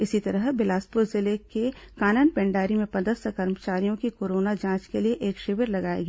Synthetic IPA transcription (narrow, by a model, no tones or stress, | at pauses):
ɪsit̪ɐɾəɦbɪlaːspʊɾzɪleke | kaːnənpɛ̃ɳɖaːɾimẽpɐd̪əsəkɐɾmət͡ʃaːɾijõkikoːɾoːnad͡ʒãːt͡ʃkelieʔeːkʃɪʋəɾlɐɡaːḛɡiː